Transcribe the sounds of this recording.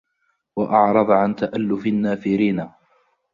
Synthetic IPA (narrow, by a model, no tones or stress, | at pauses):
waʔɑʕɾˤɑd̪ˤʕant̪aʔalːʊfɪnːaːfɪɾiːna